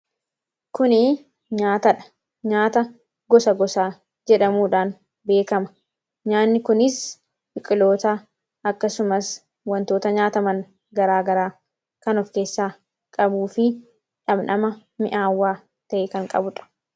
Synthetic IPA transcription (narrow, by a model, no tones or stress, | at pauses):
kʊnɪ | ɲaːt̪ɐᶑɐ̥ | ɲaːt̪ɐ | ɡɔsɐɡɔsaː | d͡ʒɛᶑɐmuːᶑaːn | be̞ːkɐmɐ̥ | ɲaːnːɪkʊnɪs | bɪkʼːɪlo̞ːt̪a | ɐkːɐsʊmɐs | wɐnt̪o̞ːt̪ɐɲaːt̪ɐmɐn | ɡɐɾaːɡɐɾaː | kɐnɔfke̞ːsːaː | kʼɐbuːfɪ | ᶑɐbnɐmɐ | mɪ̰ʔaːwːaː | t̪ɐʔekɐŋkʼɐ̰bʊᶑɐ̥